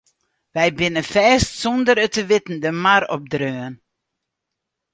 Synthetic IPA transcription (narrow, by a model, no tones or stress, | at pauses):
ʋɛjbɪnəfɛːstsɔndəɾətəʋɪtn̩dəmarɔp̚drøːn